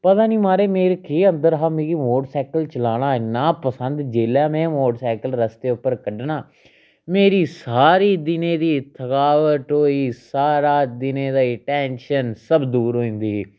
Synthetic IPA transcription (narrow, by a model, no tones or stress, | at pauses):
pət̪ãːnĩːmaːɾeːmeːɾkiːənd̪əɾɦaːmẽːɡiːmoːʈsɛːkəlt͡ʃəlaːñaːɪnːãːpəsənd̪d͡ʒeːljaːmɛ̃ːmoːɖsɛːkəlɾəst̪eːʊpːəɾkəɖnaː | meːɾiːsaːɾiːd̪ɪnẽːd̪iːt̪ʰəkaːʋəʈɦoːiːsaːɾaːd̪ɪnẽːd̪aːɪʈɛːnʃənsəbd̪uːɾɦoːĩnd̪iː